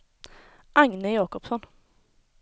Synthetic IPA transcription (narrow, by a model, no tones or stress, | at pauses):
ʔaŋnəjɑːkɔpsɔn